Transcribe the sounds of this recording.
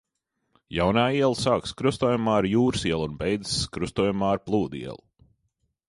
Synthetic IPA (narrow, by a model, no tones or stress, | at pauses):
jawnaːiɛlˠsaːkskɾust̪uɔːjumaːɾjuːɾsiɛlˠunbɛjd̪z̥skɾust̪uɔjumaːaɾplˠuːd̪ḭɛ̰lˠu